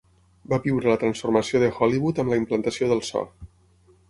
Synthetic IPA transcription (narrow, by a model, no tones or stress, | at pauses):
baβiwɾələt̪ɾənsfuɾməsioðəxɔliβut̪əmləimplənt̪əsioðəlˠsɔ̰